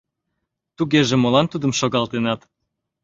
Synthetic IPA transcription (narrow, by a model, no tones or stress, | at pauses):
t̪uɣeʒĕmolɑnt̪ud̪əmʃoɣɑlt̪enɑt̪